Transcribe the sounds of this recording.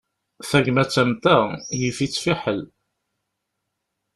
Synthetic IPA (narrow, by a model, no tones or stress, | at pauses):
θæʝmæt͡sːæmt̪æjifit͡sːfiħəl